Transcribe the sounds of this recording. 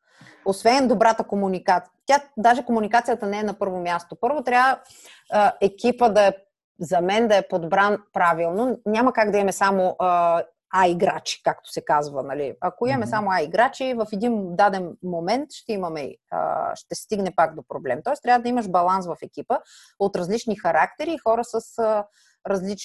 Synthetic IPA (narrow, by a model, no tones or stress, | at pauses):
osvɛnnd̪obɾat̪əkomunikat̪ | t̪jad̪aʒɛkomunikat̪sijət̪ənɛɛnɐpɤɾvomʲjast̪opɤɾvot̪ɾʲavə | əɛkʲipəd̪ɐɛ | zɐmɛnd̪ɐɛpod̪bɾanpɾavilˠnonʲamɐkaɡd̪ɐiɐmɛsamoʔ | aiɡɾa̰t͡ʃi̥kakt̪o̥sɛkazvənɐliɐkoimɐmɛsamoaiɡɾat͡ʃivɐfɛd̪ind̪ad̪ɛnmomɛnt̪ʃt̪ɛimɐmɛḭʃt̪ɛst̪iɡnɛpaɡd̪opɾoblɛmt̪ɔɛst̪ɾʲavəd̪ɐiməʃbɐlˠansvɐfɛkʲipə | ot̪ɾɐzlit͡ʃnixɐɾakt̪ɛɾiːxɔɾəsəsə | ɾɐzlit͡ʃ